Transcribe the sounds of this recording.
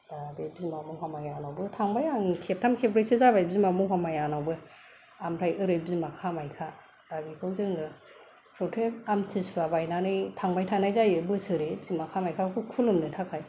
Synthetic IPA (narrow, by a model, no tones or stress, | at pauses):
d̥abebizimamuɦamajanawbɯtʰaŋbajaŋkʰep̚tʰamkʰebɾesɯzabajbizimamuɦamajanawbɯ | amɾajɯɾɯbzimakʰamajkʰa | d̥abikʰɯwzɯŋɯ | ɾɔtʰepamtʰisuabajnanɯjtʰaŋbajtʰanajzajɯbɯsɯɾebzimakʰamajkʰakʰɯkʰulɯmnɯtʰakʰaj